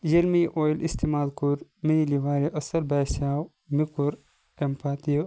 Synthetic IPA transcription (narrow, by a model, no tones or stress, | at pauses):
jɐlmiʔoːjlʔist̪imaːlkuɾmiiliʋaːɾiʔɐsɐlbaːsaːw | mikuɾ | empʰaːt̪i